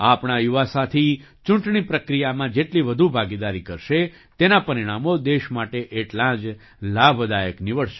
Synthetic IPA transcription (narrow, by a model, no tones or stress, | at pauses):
apɳajuʋasat̪ʰit͡ʃʊ̃ɳʈɳipɾəkɾijamãd͡ʒeʈliʋəd̪ʱubʱaɡid̪aɾikəɾʃe | t̪enapəɾiɽ̃amod̪eʃmaʈeʔeʈlãd͡ʒ | labʱd̪ajəknɪʋəɭʃe̥